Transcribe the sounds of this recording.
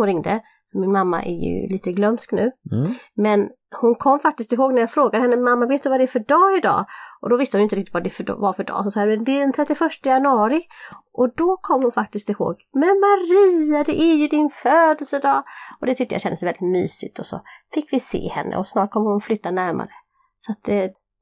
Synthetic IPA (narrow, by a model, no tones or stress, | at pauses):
ɾɪŋd̪ə̰ | fœmɪnmamːa̰ʔæ̰ɾjɵ̰liːt̪əɡlœnsknʉ̟ːmɛn | hʊnkʰɔmːfak̚t̪ɪskt̪ɪlɦoːɡnæɾjɑːfɾoːɡad̪hɛnːəmamːaveːt̪jəvad̪ɛːfœɖɑːɪd̪ɑ̰ːʔɔd̪ɔvɪst̪əhʊnʏɪnɾɪk̚t̪ɪt̪vad̪ɛfvaɾfœɖɑ̰ːsɔmsɑːɡɾmɛnd̪ɛæɖɛnt̪ʰɾɛt̪ːɪfœʂʈəjanɵɑːɾɪʔɔd̪ɔkʰɔmːhʊnfak̚t̪ɪskt̪ɪho̰ːɡmɛnmaɾiːad̪ɛʔæɾjɵd̪ɪnføːd̪əlsəd̪ɑːɔd̪ɛt̪ʰʏk̚t̪əja̰ɕɛnd̪əsɛjvɛlɪt̪my̰ːsɪ̰t̪ʰɔsɔ̰fɪkːvɪsḛːhɛ̰nːə̰ɔsnɑːʈ̚kʰɔmːəɾhʊnflʏt̪ːanæɾma̰ɾə | sɔat̪̚